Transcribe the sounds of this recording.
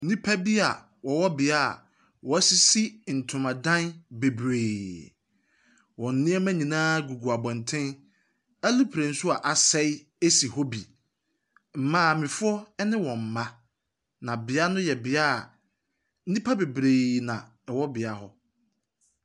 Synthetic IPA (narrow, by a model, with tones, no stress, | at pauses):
n̩˦nĩ˦pʰa˦bi˦a˨ | wɔ˨wɔ˦bɪ˨a̰˦˨ | wɔ˨˦si˦si˦n̩˨tʰʊ̃˨mã˨dã˦nbe˨bɾeː˨ | wɔ̃˨n̩˦nɪ̃˦ɛ˦mæ̃˦ɲĩ˨nãː˦ɡu˨ɡu˨a˨bɔ̃˨n̩˨tʰɪ̃˦n | æ˦lʊ˦pʰɾẽ˨n̩˦su˦a˨ʔa˨sɛ˦ | e˦si˨ho˦bi˨ | m̩˨mãː˦˨mɪ̃˨fʊ˦ɔ˦ɛ˦nɪ̃˦wɔ̃˨m̩˨mã˦ | nã˨bɪ˨a˦nʊ̃˦jɛ˨bɪ˨a̰˦˨ | n̩˦nĩ˦pʰa˦be˨bɾe˨nã˨ | ɛ˨wɔ˦bɪ˨a˨ɦɔ˦